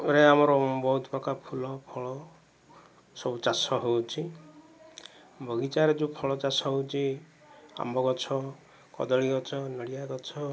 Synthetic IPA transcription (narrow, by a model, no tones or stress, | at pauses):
ɾeamɔɾɔbɔɦut̪pɔkapʰulɔpʰɔɭɔ | sɔbut͡ʃasɔɦewt͡ʃʰi | bʱɔɡit͡ʃaɾed͡ʒupʰɔɭɔt͡ʃasɔɦewt͡ʃʰi | a̰mbɔɡɔt͡ʃʰɔ | kɔ̰d̪ɔɭiɡɔt͡ʃʰɔnɔɽijaɡɔt͡ʃʰɔ